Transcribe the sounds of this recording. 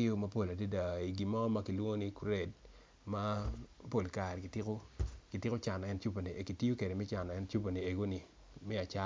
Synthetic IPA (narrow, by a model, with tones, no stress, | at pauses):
o˦ma˦po˦˨la˨de˦da˨i˨ɡi˨mɔ˦ma˦ki˨lwo˦ni˦kɾe˦˨d̚ | ma˦po˦˨lka˨ɾki˨tɪ˦ko˦ki˨tɪ˦ko˦t͡ʃa˨n˨ɛ˦nt͡ʃu˦po˨ni˨ki˨ti˦o˦ke˨de˨mɛ˦t͡ʃa˨n˨ɛ˦nt͡ʃu˦p̬o˨ni˨e˨ɡo˦ni˨ | mɛ˦a˨t͡ʃa˦